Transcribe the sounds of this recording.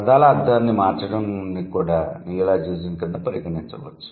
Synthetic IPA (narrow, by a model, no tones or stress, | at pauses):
ɐd̪aːlɐɐd̪ːɐnːimaːɾt͡ʃɐɽɐmnikuːɽaːnilaːd͡ʒeːzinkɐnd̪apɐɾiɡɐnint͡ʃɐʋɐ̰t͡ʃːu̥